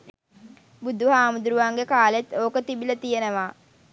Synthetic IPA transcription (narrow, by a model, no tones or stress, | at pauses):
bud̪uɦaːmud̪uɾuʋaŋɡekaːlet̪oːkət̪ibilət̪ijenəʋaː